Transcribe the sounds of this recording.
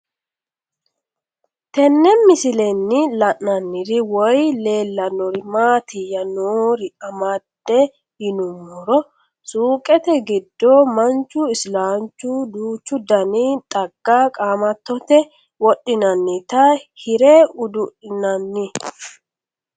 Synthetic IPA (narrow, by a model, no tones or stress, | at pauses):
t̪ɛnːɛmɪsɪlɛnːɪlɐʔnɐnːɪd̪ɪwɔjle̞ːlːɐnɔɾɪmaːt̪ɪjɐnoːɾɪɐmad̪ːɛ | hɪnʊmːɔɾɔ | suːkʼɛt̪ɛɡɪd̪ːomɐnt͡ʃːʊɪslaːnt͡ʃːʊd̪uːt͡ʃːʊd̪ɐnit̪ʼɐɡ̥ːakʼaːmɐt̪ːɔt̪ɛ | wɔɗːɪnɐnːɪt̪ɐhɪɾɛʊd̪ʊʔɪnɐnːɪ